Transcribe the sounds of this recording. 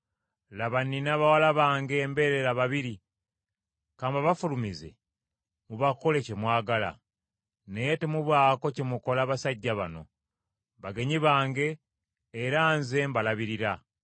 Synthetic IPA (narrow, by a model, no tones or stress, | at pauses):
laβanːinaβawalaβaːŋɡe̞ːmbe̞ɾeɾaβaβiɾi | kaːmbaβafulumize̞̰ | muβako̞le̞cemwaːɡala̰ | nejetemuβwaːko̞cemuko̞laβasaɟːaβa̰no̞̰ | βaɡe̞ɲiβaːŋɡe̞ː | ɾaːnze̞mbalaβiɾiɾa